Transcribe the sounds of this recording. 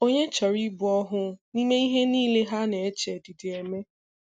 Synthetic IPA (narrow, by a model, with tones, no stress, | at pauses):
o˦ɲe˦t͡ʃa˨ɾi˦bʊ˨ɔ˦ɦʊ˦ni˦me˦i˦ɦe˦niː˦le˦ɦa˦ne˨e˦t͡ʃe˨ti˨ti˨e˨me˦